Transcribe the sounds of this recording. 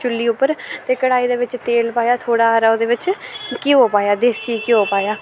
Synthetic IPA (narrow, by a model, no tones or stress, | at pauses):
t͡ʃʊlːiːʊpːəɾt̪eːkəɽaːiːd̪eːʋɪt͡ʃt̪eːlpaːjaːt̪ʰoːɽaːɾaːoːd̪eːʋɪt͡ʃkiːɦoːpaːjaːd̪eːsikiɦoːpaːjaː